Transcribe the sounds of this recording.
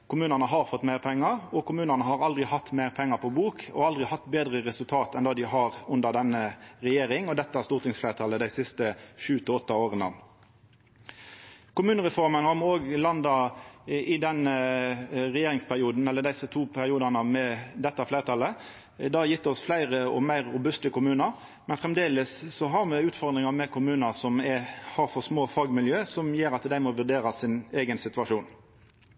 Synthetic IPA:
kʰʊmʉːnɑnəɦɑʁfɔt̪ːmæɪʁpʰɛŋːɑʁɔkʰʊmʉːnənəɦɑʁɑld̪ʁɪhɑt̪ːmæɪʁpʰɛŋːɑpʰɔbuːkʰɔ̰ɑld̪ʁɪhɑt̪ːbeːd̪ʁəʁɛsʉlt̪ʰɑːt̪ɛnd̪ɑːd̪ɪɦɑʁʉnd̪əd̪ɛnːəɾɛjeːɾɪŋɔd̪ɛt̪ːəæʁst̪uːʁt̪ɪŋsflæɪɾət̪ʰɑləd̪æɪsɪst̪əʃʉːt̪ʰɪɔt̪ːɑoːʁənə̰ | kʊmʉːnəʁɛfɔʁmənhɑɾmuoːɡlɑnd̪ɑʔɪd̪ɛn | ʁɛjeːɾɪŋspʰæʁɪuːd̪n̩ɛlːəd̪æɪsət̪ʰuːpʰæɾʁɪuːd̪ɑnəmɛd̪ɛt̪ːɑfleɪʁət̪ʰɑlːə | d̪ɑːjɪt̪ːɔsflæɪʁəɔmæɪʁːʊbʉst̪əkʊmʉːnəɾ | mɛnfʁɛmd̪eːləssɔɦɑʁmɛʉːt̪fɔʁd̪ʁɪŋɑmɛkʰʊmʉːnəsɔmɛhɑʁfɔsmoːfɑːɡmɪljøːsɔmjeːɾɑt̪d̪æɪmɔʋʉʁd̪eːɾɑsɪneːɡənsɪt̪ʉɑʂuːn

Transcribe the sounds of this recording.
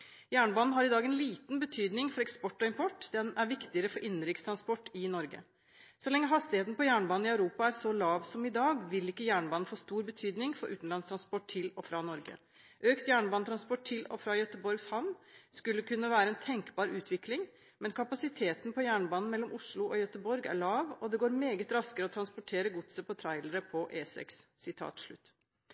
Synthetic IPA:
jæːɳəbɑːnn̩ɦɑɾɪd̪ɑːɡɛnliːt̪nbət̪ʰyːd̪nɪŋfɔɾɛkspɔʈːɔɪmpʰɔʈːd̪ɛnæɾʋɪkt̪ɪəɾəfɔɾʔɪnːɾɪkst̪ʰɾɑnspɔʈːɪnɔɾɡə̰ | sɔlɛŋːəɦɑst̪ɪheːt̪nəpɔjæːɳəbɑːnn̩ɪɑʉɾuːpɑæɾsɔlɑːʋsɔmɪd̪ɑːɡʋɪlɪkːəjæːɳəbɑːnn̩foːst̪uːɾbət̪ʰyːd̪nɪŋfɔ̰ɾʔʉːt̪n̩lɑnst̪ɾɑnspɔʈʰːɪlɔfɾɑnɔɾɡə̰ | ʔøːkt̪jæːɳbɑnət̪ʰɾɑnspɔʈ̚ʰːɪlɔ̰fɾɑːjœt̪əbɔɾɡshɑʋnskʉlːəkʉnːəʋæːɾəɛnt̪ʰɛŋkbɑːɾʉːt̪ʰʋɪklɪŋ | mɛnkʰɑpɑsɪt̪ʰeːt̪n̩pʰɔjæːɳəbɑːnn̩mɛlːɔmʊʂɭʊʔɔjœt̪əbɔɾɡæ̰ɭɑːʋɔd̪ɛɡoːɾmeːɡət̪ɾɑskəɾəɔt̪ʰɾɑnspɔʈʰeːɾəɡʊt̪səpʰɔt̪ʰɾɑɪləɾəpʰɔʔeːsɛ̰ksːɪt̪ʰɑ̰ːt̪ʂɭʉ̰t̪ː

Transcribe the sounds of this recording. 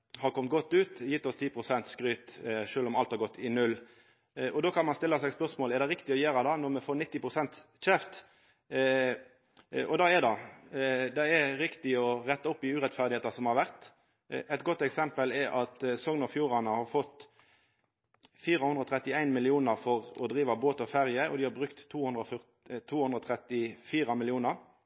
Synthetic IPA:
hɑɾkʰɔmt̪̚ɡɔt̪ːʉːt̪jɪt̪ːɔst̪ʰiːpʰʁʊsɛnt̪skɾyːt̪ʂøːlɔmɑlt̪hɑɾɡɔt̪ːɪnʉlː | ɔd̪oːkʰɑnmɑnst̪ɪlːəsæɪɡspœʁsmoːlɛʁd̪ɛɾɪkt̪ɪɔjeːɾɑd̪ɑːnɔɾmɛfoːnɪt̪ːɪpʁʊsɛnt̪ | ɕɛft̪ | ʔɔd̪ɑːɛd̪ɑ | d̪ɛɛɾɪkt̪ɪɔʁɛt̪ːɑʊpːɪʉːɾɛt̪fæʁd̪ɪheːt̪ɑsɔmhɑɾʋæʁt̪ | ɛɪt̪̚ɡɔt̪ːɛksɛmpəlɛʔɑt̪sɔŋnɑfjuːɾɑnəhɑɾfɔt̪ː | fiːɾəhʉnd̪ʁəɔːt̪ʰʁɛt̪ːɪæɪnmɪlɪuːnəɾfɔʁɔ̰d̪ɾiːʋɑboːt̪ɔfæɾjəɔ̰d̪ɪhɑbʁʉkt̪ʰːuːhʉnd̪ɾɔfœ | t̪ʰːuːhʉnd̪ɾɔt̪ʰʁɛt̪ɪfiːɾɑmɪlɪuːnəɾ

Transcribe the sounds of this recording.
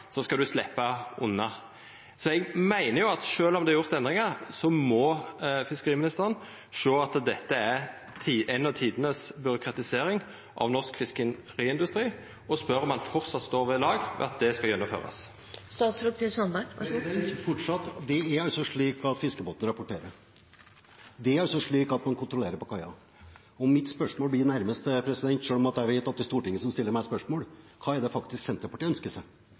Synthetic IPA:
sɔskɑd̪ʉslɛpːɑʊ̰nːɑ | sɔɛɡmæɪnəjʊɑt̪ʂøːlɔmd̪ɛɑʁjʊʁt̪ɛnd̪ɾɪŋəʁsɔmɔfɪskəʁiːmɪnɪst̪əʁən | ʂoːɑt̪d̪ɛt̪ːəæɾ | t̪ʰiːʔɛnːɑʋt̪ʰiːd̪ənəsbʏɾʊkɾɑt̪ɪseːɾɪŋ | ʔɑ̰ʋnɔskfɪskə | ɾiːɪnd̪ʉst̪ɾiː | ɔspœɾɔmɑnfɔʁt̪sɑt̪st̪oːɾʋɛlɑːɡʋɛ̰ɑt̪̚d̪ɛskɑljɛnːʊmfø̰ːʁɑ̰s | st̪ɑːt̪sɾpʰiːsɑnbæ | fɔʈʂɑt̪ːd̪ɛæɾɑsɔʂɭiːkɑt̪fɪskəboːt̪ən̩ɾɑpʊʈeːɾəɾ | d̪ɛæɾsɔʂɭiːkɑt̪mɑnkʰʊnt̪ɾʊleːɾəɾpɔkʰɑɪɑ̰ | ɔmːɪt̪spœʂmoːlblɪɾnæɾməst̪pʰɾɛsɪd̪ɛnt̪ʂøːlɔmɑt̪̚d̪æɾʋɪt̪ʰɑt̪ːɪst̪uːʈɪŋːəsɔmst̪ɪlːəɾmæɪspœʂmoːl | kʰɑːæɖ̪ɛfɑkt̪ɪsksɛnt̪ɾɑpɔʈːɪːœnskəsæ

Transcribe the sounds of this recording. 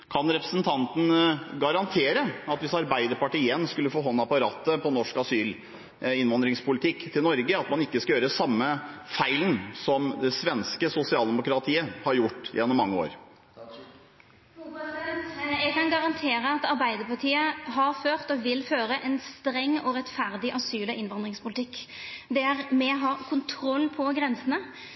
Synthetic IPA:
kʰɑnɾɛpɾəsnt̪ʰɑnt̪n̩ɡɑɾɑnt̪ʰeːɾəɑt̪ʋɪsɑɾbæɪd̪əɾpɑʈiːɛnskʉlːəfoːɦɔnːɑpɑɾɑːt̪ːəpʰɔnɔʂkɑsyːl | ɪnʋɑnd̪ɾɪŋspʰʊlɪt̪ʰɪkːt̪ʰɪlnɔɾɡəɑt̪mɑnɪkːəskɑjøːɾəsɑmːəfæɪlənsɔmd̪ɛsʋɛnskəsʊsɪɑːld̪ɛmʊkɾɑt̪ʰiːəhɑɾjʊʈːɪjɛnːɔmːɑŋːəo̰ːɾ | jɛɡkʰɑnɡɑʁɑnt̪ʰeːɾəɑt̪ɑʁbæɪd̪əpɑʈʰiːəɦɑɾføːʁt̪ɔʋɪlføːɾəʔɛnst̪ɾɛŋːɔʁɛt̪fæʁd̪ɪʔɑsyːləʔɪnʋɑnd̪ʁɪŋspʰʊlɪt̪ʰɪkːd̪ɛæɾmɛɦɑːkʰʊnt̪ʰɾɔlːpʰɔɡɾɛnsənə

